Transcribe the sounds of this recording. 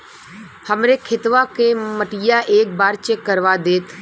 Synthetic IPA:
həmɾekʰɪt̪ʋakẽməʈijaʔeːk̚baːɾt͡ʃəkəɾʋaːd̪eːt̪ʰ

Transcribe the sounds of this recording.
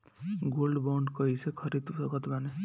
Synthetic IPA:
ɡolɖbawɳɖkʌɦisʰekʰʌɾid̪sʌɡʌt̪bʱane

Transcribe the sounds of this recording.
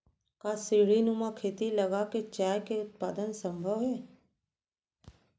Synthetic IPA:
kasiɽinumakʰeːt̪ilɐɡaket͡ʃaːjkeʊt̪̚paːd̪ənsə̃mbʱəʋɦɛː

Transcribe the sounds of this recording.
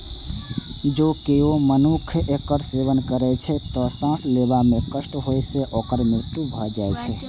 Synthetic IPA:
d͡ʒokeomənukʰekəɾseʋənkəɾɛt͡ʃʰɛt̪ɔsãslebamekəsʈɦojseʔokəɾmɾɪɾt̪ubʱɔd͡ʒajt͡ʃʰɛ

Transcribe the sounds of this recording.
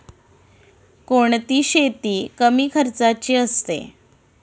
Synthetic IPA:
koɳt̪iːɕet̪iːkəmiːkʰəɾt͡sat͡ɕiːəst̪ḛ

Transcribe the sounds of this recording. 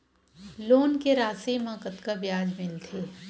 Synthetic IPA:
loːnkeɾaːsimãkət̪kabjaːd͡ʒmɪlt̪ʰeː

